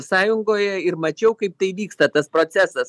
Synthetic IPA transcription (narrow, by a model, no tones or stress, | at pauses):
sɑːjʊŋɡoːjɛɪɾmɐt͡ʃʲɛʊkɐɪp̚t̪ɐɪʋʲiːkst̪ɐt̪ɐspɾoːt̪sʲæsɐs